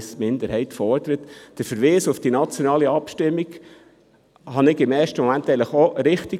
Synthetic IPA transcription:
smɪnd̪əɾhɛɪtfɔɾd̥̪əɾətd̥əɾfəɾʋiːsʊfd̥inɑt͡sjɔnɑːliɑpʃtɪmːiɡ | hɑnɪɡɪmɛːɾʃtəmɔmænt̪ɛɪŋləχoɾɪχti

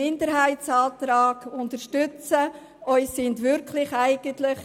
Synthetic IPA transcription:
ɪndəɾɦæɪtt͡sɑːt̪ɾɑːɡ̥ʊntəɾʃtʏt͡sə | œʏssɪntʋʏɾkʰlɪχæɪɡ̥əntlɪχ

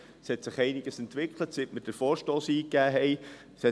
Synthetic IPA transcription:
shɛt̪sɪχɛɪnɪɡ̥əsɛnt̪ʋɪkʰlətsɪtməd̥əɾfɔːɾʃtoːsiːkːæːɦɛɪ | shɛ

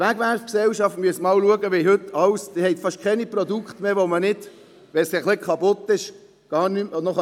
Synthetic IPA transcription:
ʋæɡʋæɾfksɛlʃɑftmyəsmɑːlluəɡəʋiɦɵt̪ːɑwsd̥̪ɪhɛɪtfɑʃkʰɛnipɾɔd̪ukχt̪meːʋomənɪd̥ | ʋɛsɛχlɪkʰɑpʊt̪ːɪʃ | ɡ̥ɑːnymnɔχ

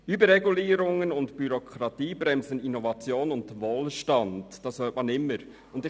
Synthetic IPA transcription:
ybəɾɛɡuliːɾʊŋənʊndb̥yɾokʰɾɑtiːbɾɛmzəninovɑt͡sjoːnʊnd̥ʋoːlʃtɑndd̥ɑshøːtmɑnɪmːəɾ | ʊndɪ

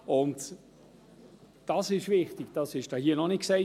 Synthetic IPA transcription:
ʊnt | d̥ɑsɪʃvɪχtɪɡ̥d̥ɑsɪʃd̥ɑːhiːənɔnɪt̚ksɛɪ

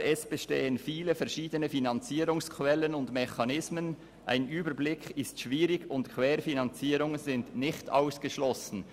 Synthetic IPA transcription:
ɛsb̥əʃtḛːənfiːləfɛɐʃiːdənəfinɑnt͡siːɾʊŋskʰwɛlənʊndmɛxɑnɪsmən | ʔa̰ɪnyːbəɾblɪkʰɪstʃviːɾɪɡʊntkʰv̥ɛːɾfinɑnt͡siːɾʊŋəzɪndnɪçta̰ʊsɡ̥əʃlɔsn̩

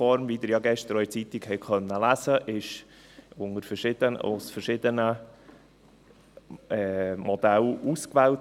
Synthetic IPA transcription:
fɔɾmviːd̪ɪɾjɑːɡɛʃtəɾɔʏt͡sit̪ikhɛɪkχœnːəlæzəʔɪʃ | ʊŋəɾfəɾʃɪd̥̪əno̰sfəɾʃɪd̪ənə | ɛmɔd̪æluːskvɛːlt

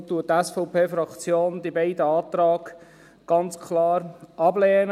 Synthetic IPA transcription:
t̪uːətːɛsfɔʊpeːfɾɑkt͡sjoːnd̪ibɛɪd̪əɑːt̪ɾɑːɡ̥ | ɡ̥ɑnt͡skʰlɑːɾɑblɛːnə

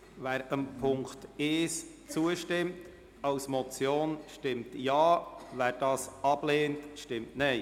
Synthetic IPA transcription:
væːɾəmpʰʊŋkteːs | t͡suəʃtɪmt | ɑwsmɔt͡sjoːnʃtɪmtjɑːvæːɾd̥ɑːsɑb̥leːntʃtɪmtnɛɪ

